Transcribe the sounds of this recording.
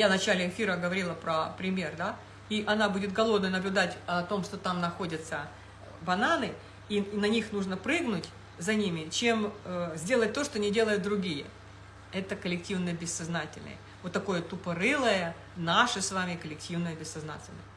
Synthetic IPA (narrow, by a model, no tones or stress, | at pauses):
javnɐt͡ɕælʲɪɪfʲiɾəɡəvɐɾʲilˠəpɾəpɾʲɪmʲe̞rd̪a | iʔɐnabudʲɪt̪̚ɡɐlˠo̞d̪nəjnəblʲʊd̪atʲɐt̪o̞mʂt̪ot̪amnɐxo̞dʲət̪sə | bɐnanɨ | inɐnʲixnuʐnəpɾɨɡnʊtʲ | zɐnʲimʲɪt͡ɕe̞məzʲdʲe̞lˠət̚ʲt̪o̞ʂt̪oɐnʲɪdʲe̞lˠəjʊt̪̚d̪ɾʊɡʲijə̰ | ɛt̪əkəlʲɪktʲivnəjəbʲɪsːɐznatʲɪ̰lʲnə̰jə | vot̪ːɐko̞jət̪ʊpəɾɨlˠəjə | naʂɨsvamʲɪkəlʲɪk̚tʲivnəjəbʲɪsːɐzna̰tʲɪlʲnə̰jə